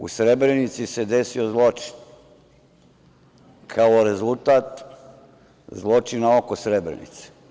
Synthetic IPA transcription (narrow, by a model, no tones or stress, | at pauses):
ṵsɾebɾe̞nit̪sise̞d̪esiozlˠo̞t͡ʃi̥n | kʰaoɾe̞zulˠt̪aːt̪ | zlˠo̞t͡ʃinao̞kosɾebɾḛnḭt̪se̥